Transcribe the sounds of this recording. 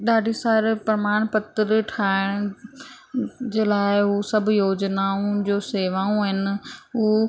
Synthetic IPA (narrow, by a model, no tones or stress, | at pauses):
ɗaːɖʱisaːɾpɾmaːñpɐt̪əɾʈʰaːɪɽ̃ | d͡ʑeːlaːɪɦusɐbʱjoːd͡ʑnaːũd͡ʑoːseːʋaːũɦɪnɪ̆ʊ